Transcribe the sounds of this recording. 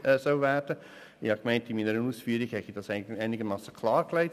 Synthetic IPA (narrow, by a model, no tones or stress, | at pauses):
ɛsɔʊvæːɾd̥ə | ɪhɑkmæɪntɪnmiːnəɾənuːsfyːɾiɡhɛtid̥ɑsɪæɪnɪɡəmɑːsə̥kʰlɑːɾklæɪt